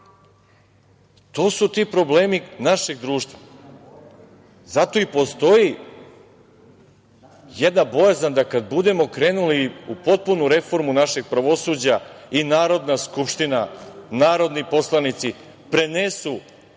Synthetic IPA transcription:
t̪o̞ːsut̪iːpɾo̞bleːminaʃe̞ɡd̪ɾuːʃt̪ʋa | zat̪o̞ipo̞st̪o̞ji | jed̪nabo̞jazand̪akad̪bud̪e̞mo̞kɾe̞ːnuliupo̞t̪̚punuɾe̞fo̞ɾmunaʃe̞ɡ̚pɾaʋo̞suːd͡ʑainaːɾo̞d̪naskupʃt̪inanaːɾo̞d̪nipo̞slˠanit̪si | pɾenesu

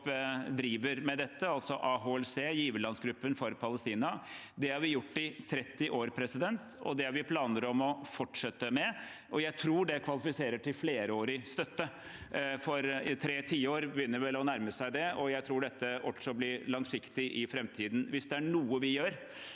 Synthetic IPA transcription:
pd̪ɾiːʋəɾmɛd̪ɛt̪ːəɑlt̪sɔʔɑɦoːɛlseːjiːʋəlɑnsɡɾʉpːənfɔɾpʰɑləst̪iːnɑd̪ɛhɑɾʋɪjʊʈːɪt̪ʰɾɛt̪ːɪʔoːɾpʰɾɛsɪd̪ɛnt̪ɔ̰d̪ɛhɑɾʋɪpʰlɑːnəɾɔmɔfɔʈʂɛt̪ːəmɛ | ʔɔjæɪt̪ʰɾuːɖɛkʰʋɑlɪfɪseːɾəʈʰɪlfleːɾəoːɾɪst̪œt̪ːə | fɔɾt̪ʰɾeːt̪ʰiːəoːɾbəjʏnːəɾʋɛlɔnæɾməsæɪd̪ɛɔjæɪt̪ʰɾuːɖɛt̪ːəɔt̪sɔblɪɾlɑŋsɪkt̪ɪʔɪfɾɛmt̪ʰiːd̪n̩ʋɪsd̪ɛæɳuːəʋɪjøːɾ

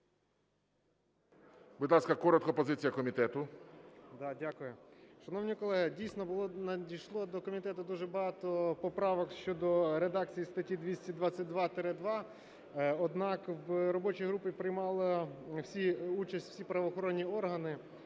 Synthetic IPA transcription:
bʊd̪lˠɑskɐkɔɾɔt̪̚kɔpɔzɪt͡sʲijɐkɔmʲit̪ɛt̪ʊ | d̪ɑdʲakʊjʊʃɐnɔwnʲikɔlˠɛɦɪdʲijsnɔbʊlˠɔnɐd̪ʲijʃlˠɔd̪ɔkɔmʲit̪ɛt̪ʊd̪uʒɛbɐɦɑt̪ɔpɔpɾɑʋɔkʃt͡ʃɔd̪ɔɾed̪ɑk̚t͡sʲijist̪ɐtʲid̪ʋʲisʲtʲid̪ʋat͡sʲːɐt̚ʲd̪ʋɑt̪ɛɾɛd̪ʋɑ | ɔd̪nɑkʋɾɔbɔt͡ʃijɦɾupɪpɾɪjmɑlˠɐwsʲiut͡ʃɐsʲtʲfsʲipɾɐʋɔxɔɾɔnʲːiɔrɦɐnɪ

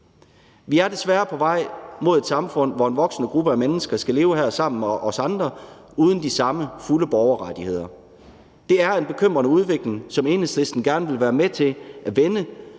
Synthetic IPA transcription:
ʋiæɐd̥e̝sʋæːɐpʰɒ̽ʋɑ̈ɪ̰mo̝ð̞ˠe̝d̥sɑ̈mfɔ̽n̰ʋɒe̝nʋɒ̽ɡ̥sənəɡ̥ʁub̥əæmenəsɡ̥ɐsɡ̥æle̝ːʊəɦæɐsɑ̈m̰n̩meʔɒ̽sɑ̈nd̥ʁɐ | uːð̞ˠən̩d̥isɑ̈məfuləb̥ɒʊɐʁɑd̥ihe̝ð̰ˠɐ | d̥e̝æɐe̝nb̥e̝kʰøm̰ʁɐnəuð̞ˠʋe̝ɡ̥le̝ŋsɒ̽me̝nhesle̝sd̥n̩ɡ̥æɐnəʋe̝lʋæːɐmet͡sʰe̝lʔæʋenə

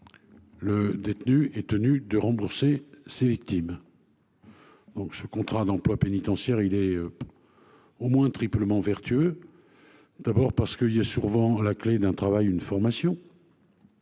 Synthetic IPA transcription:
ləd̪et̪nyɛt̪ənyd̪əʁɑ̃buʁsesevik̚t̪im | d̪̥ɔ̃ksəkɔ̃t̪χad̪ɑ̃plwapenit̪ɑ̃sjɛʁilɛ | omwɛ̃t̪χipləmɑ̃vɛʁt̪ʰyø | d̪̥abɔʁpaʁsə̥kəiljasuʁvɑ̃lakled̪ɛ̃t̪χavajynfɔʁmasjɔ̃

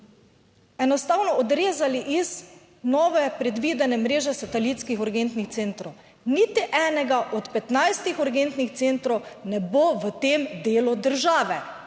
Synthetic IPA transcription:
ɛnɔst̪aːwnɔɔd̪ɾeːzaliʔiz | nɔːʋɛpɾɛd̪ʋiːd̪ɛnɛmɾeːʒɛsat̪ɛlit̪skixɔɾɡent̪nixt̪seːnt̪ɾow | nit̪iʔɛːnɛɡaʔɔt̪pɛt̪najst̪ixɔɾɡent̪nixt̪seːnt̪ɾownɛboʋət̪eːmd̪eːlud̪əɾʒaːʋɛ

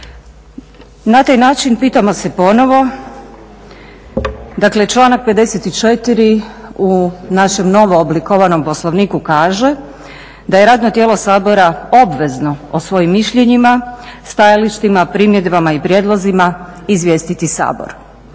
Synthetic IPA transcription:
nat̪ajnaːt͡ʃinpiːt̪amo̞se̞po̞no̞ʋo̞ | d̪akle̞t͡ʃlˠaːnak̚pe̞d̪e̞set̪it͡ʃet̪iɾiunaʃe̞mno̞ʋo̞ːblikoʋano̞mposlˠoʋniːkukaːʒe̞ | d̪aje̞ɾaːd̪not̪jelˠo̞saːbo̞ɾao̞bʋe̞zno̞osʋo̞jimːiʃʎe̞ɲimast̪ajaliʃt̪imapɾiːmjed̪bamaipɾjeːd̪lˠozimaizʋje̞ːst̪it̪isa̰ːbo̰ɾ

